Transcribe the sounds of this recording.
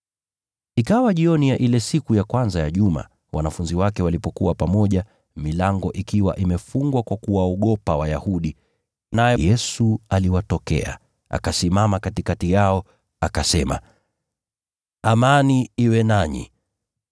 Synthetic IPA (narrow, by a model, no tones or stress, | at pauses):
ikawaʄiɔnijaʔilɛsikujakwanzajaʄuma̰ | wʔa̰nafunziwakɛwalipɔkuwapamɔʄa | milaŋɡɔʔikiwa̰ʔimɛfuŋɡwakwakuwaɔɠɔpawajahuɗi | najɛjɛsualiwatɔkɛ̰a̰ | ʔa̰kasimamakatikatijaɔ | akasɛma̰ | amaniiwɛnaɲḭ